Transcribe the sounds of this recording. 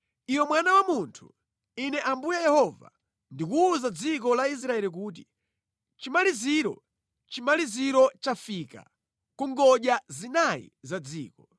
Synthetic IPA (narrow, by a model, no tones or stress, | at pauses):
iwɔmwanawamuntʰu̥̰ | inɛʔambujajɛhɔva̰ | ndikuuzad͡zik̬ɔlais̬ɾaɛlik̬uːt̬i | t͡ʃimaliziɾɔ̰ | t͡ʃimaliziɾɔt͡ʃafika̰ | kuŋɡɔʄjazinajḭzad͡zḭːkɔ